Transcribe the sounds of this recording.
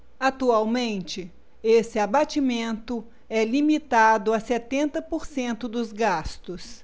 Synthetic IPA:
at̪uawmẽnt͡ʃɪ | esɪabat͡ʃimẽnt̪ʊ | ɛlimit̪ad̪ʊasɛt̪ẽnt̪ɐpoɾsẽnt̪ʊd̪ʊzɡast̪ʊs

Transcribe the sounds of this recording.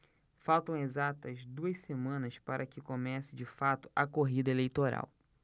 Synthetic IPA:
fawt̪ɐ̃w̃ezat̪ɐzd̪uɐssemɐ̃nɐspaɾʔɐkɪkomɛsɪd͡ʒɪfat̪ʊ̥ʔɐkoɦid̪ɐelejt̪oɾa̰w

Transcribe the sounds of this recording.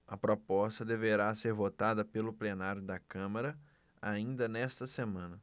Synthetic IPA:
ɐpɾopɔst̪ɐd̪eveɾaseɾvot̪ad̪ɐpelʊplenaɾjʊd̪ɐkɐ̃mɐɾɐ | aĩnd̪ɐnɛst̪ɐsemɐ̃nɐ

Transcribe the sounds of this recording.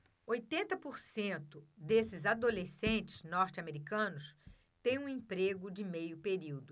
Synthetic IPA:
ojt̪ẽnt̪ɐpoɾsẽnt̪ʊd̪esɪzad̪olesẽnt͡ʃɪ̥z̥nɔɾt͡ʃɪameɾikɐ̃nʊs | t̪ẽj̃ũẽpɾeɡʊd͡ʒɪmejʊpeɾiwd̪ʊ

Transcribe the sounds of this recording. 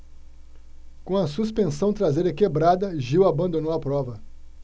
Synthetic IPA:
kõɐsus̬pẽsɐ̃w̃t̪ɾazeɾɐkebɾad̪ɐʒiwabɐ̃nd̪õnowɐpɾɔvɐ

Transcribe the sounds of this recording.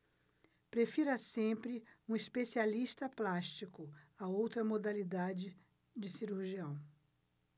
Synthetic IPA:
pɾefiɾɐsẽmpɾɪũispesialist̪ɐplaʃt͡ʃikʊaowt̪ɾɐmod̪alid̪ad͡ʒɪ | d͡ʒɪsiɾuɾʒiɐ̃w̃

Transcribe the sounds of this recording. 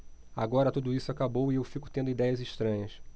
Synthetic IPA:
aɡɔɾɐt̪ud̪ʊisʊakabowɪewfikʊ̥t̪ẽnd̪ʊid̪ɛjɐzɪʃt̪ɾɐ̃ɲɐs

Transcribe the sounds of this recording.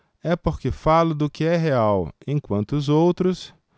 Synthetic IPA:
ɛpoɾkɪfalʊd̪ʊkɪɛɦeawẽj̃kwɐ̃nt̪ʊːzowt̪ɾʊs

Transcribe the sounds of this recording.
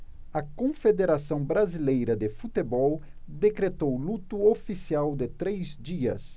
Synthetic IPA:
ɐkõfed̪eɾasɐ̃w̃bɾazilejɾɐd̪ɪfut̪ebɔwd̪ekɾet̪owlut̪uofisiawd̪ɪt̪ɾejzd͡ʒiɐ̰s

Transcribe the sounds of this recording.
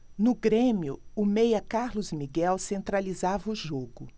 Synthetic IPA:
nʊɡɾẽmiʊʊmejɐkaɾlʊzmiɡɛwsẽnt̪ɾalizavɐʊʒoɡʊ

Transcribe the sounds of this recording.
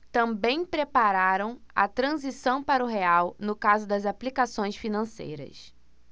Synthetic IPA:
t̪ɐ̃mbẽj̃pɾepaɾaɾɐ̃w̃ɐ̰t̪ɾɐ̃zisɐ̃w̃paɾɐʊɦeawnʊkazʊd̪ɐzaplikasõj̃sfinɐ̃sḛjɾɐ̰s

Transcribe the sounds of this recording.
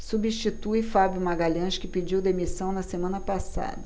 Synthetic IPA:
subiʃt͡ʃit̪ujfabjʊmaɡaʎɐ̃ʃkɪped͡ʒiwd̪emisɐ̃w̃nɐsemɐ̃nɐpasa̰d̪ɐ

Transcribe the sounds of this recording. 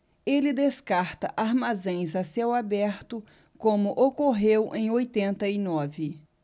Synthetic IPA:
elɪd̪eskaɾt̪ɐʔaɾmazẽj̃zasewabɛɾt̪ʊ | kõmʊʔokoɦewʔẽj̃ojt̪ẽnt̪ɐinɔvɪ

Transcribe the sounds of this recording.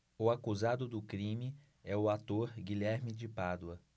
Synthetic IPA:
ʊakuzad̪ʊd̪ʊkɾĩmɪ | ɛʊat̪oɾɡiʎɛɾmɪd͡ʒɪpad̪wɐ

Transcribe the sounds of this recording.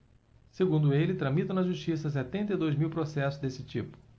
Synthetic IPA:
seɡũnd̪ʊelɪt̪ɾɐ̃mit̪ɐ̃w̃nɐʒuʃt͡ʃisɐs̬ɛt̪ẽnt̪ɐid̪ojzmiwpɾosɛsʊzd̪esɪt͡ʃipʊ̥

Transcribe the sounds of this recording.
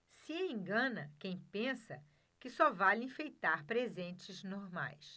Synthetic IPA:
sieẽŋɡɐ̃nɐkẽj̃pẽsɐ | kɪsɔvalĩfejt̪aɾpɾezẽnt͡ʃɪznoɾma̰js

